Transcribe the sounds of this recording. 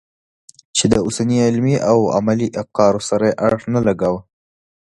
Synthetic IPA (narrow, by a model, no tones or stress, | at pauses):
t͡ʃed̪əʊsaniɪlmiʔawa̰maliʔaqɑɾosaɾajeʔaxnalaɡawa